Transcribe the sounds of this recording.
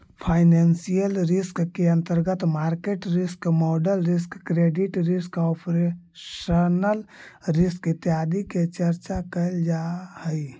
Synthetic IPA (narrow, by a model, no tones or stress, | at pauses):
pʰaɪnensijəlɾɪskːeə̃nt̪əɾɡət̪maɾkeʈɾɪskmɔɖəlɾis̬kːɾeɖiʈɾɪskɔpɾe | ʃənəlɾɪskɪt̪ːjad̪iket͡ʃəɾt͡ʃakəld͡ʒahəi